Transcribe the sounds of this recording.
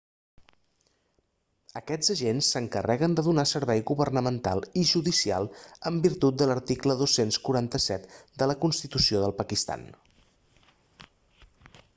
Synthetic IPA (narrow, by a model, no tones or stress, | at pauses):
əkɛd͡zəʒensːəŋkərʔɛɣənd̪əðunasəɾβɛjɣuβərnəmənt̪a̰lˠiʒuðisia̰lˠəmbiɾt̪ut̪̚d̪ələɾt̪ikləðosenskuɾant̪əsɛt̪d̪ələkunst̪it̪usioðəlˠpəkist̪a̰n